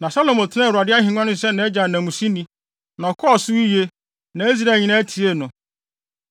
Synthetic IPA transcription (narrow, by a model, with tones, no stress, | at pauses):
nã˨sa˦lo˨mo˨tʰɪ˦nã˦˨ɾa˨dɪ˦a˦ɦɪ̃˨ŋʷ˦ã˦nʊ̃˦ɪ˨sɛ˦nã˦ɛ˦d͡ʑa˨nã˨mũ˨si˦nĩ˦ | nã˨ɔ˨kʰɔ˦ɔ˨sʊ˦i˦je˦ | nã˨˦e˦zi˦ɾa˦˨ɲĩ˨nã˦tʰi˨˦e˦˨nʊ̃˨